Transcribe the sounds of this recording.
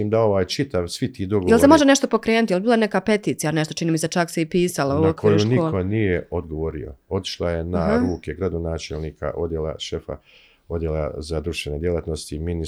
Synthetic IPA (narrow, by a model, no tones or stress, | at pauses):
iːmd̪ao̞ʋaːjt͡ʃit̪aʋsʋit̪iːd̪oɡojelemo̞ʒeneʃt̪opo̞kɾeːnut̪jelbiːlane̞kape̞t̪iːt̪sijaneʃt̪ot͡ʃiniːmiset͡ʃakseipiːsalaookʰojuʃnioko̞nijeod̪ɡoʋo̞ɾḭo̞̰o̞t̪i̥ʃlˠaje̞naɾuːke̞ɡɾad̪onaːt͡ʃelniːkʰa̰ʔo̞d̪jela̰ʃe̞fa̰ | o̞d̪jela̰zad̪ɾuʃt̪ʋened̪jelˠat̪no̞st̪imini